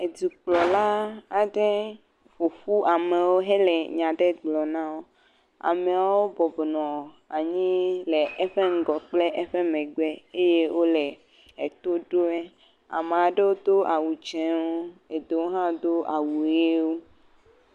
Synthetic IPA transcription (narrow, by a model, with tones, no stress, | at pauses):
e˨d̪i˨k͡plɔ˨la˦a˨ɖe˦ | ɸo˨ɸu˦a˨mẽ˨wo˦ɦɛ˦lɛ˨ɲã˨ɖe˦ɡ͡blɔ˨nã˦wo˦ | a̰˨me˨a˨wo˦bɔ˨bɔ˨nɔ̃˨ | a˨ɲĩ˦le˨ɛ˦ɸe˦ŋ̩˦ɡɔ˨k͡ple˦ʔɛ˦ɸe˦mɛ̃˨ɡ͡bɛ˦e˦je˦wʔo˦lɛ˨ | e˨t̪o˦ɖo˦e˦ | a̰˨mẽ˨a˨ɖe˦wo˦d̪o˦ʔa˨wu˨d͡ʒɛ̃˨wo˦e˨d̪e˨wo˦ɦã˦d̪o˦a˨wu˨e˦wo˦